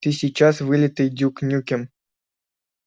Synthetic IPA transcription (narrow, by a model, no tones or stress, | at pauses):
t̪ɨsʲit͡ɕːasvɨlʲɪt̪ɨd̪ʲuknʲukʲɪm